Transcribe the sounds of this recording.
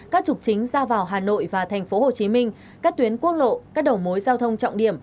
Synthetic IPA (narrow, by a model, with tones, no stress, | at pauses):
kaː˦˥k̚t͡ɕʊ˨˩k͡p̚t͡ɕï˨˦ŋ̟zaː˧vaː˨˩wɦaː˨˩no̰˧˨jvaː˨˩t̪ʰɛ˨˩ŋ̟fo˨˦ho˨˩t͡ɕi˨˦mï˧ŋ̟ | kaː˦˥k̚t̪wi˨˦ənku˦˥ək̚lo̰˧˨kaː˦˥k̚ɗə˨˩wmo˨˦jzaː˧wt̪ʰə˧wŋ͡mt͡ɕɔ̰˧˨wŋ͡mɗḭ˧˩əm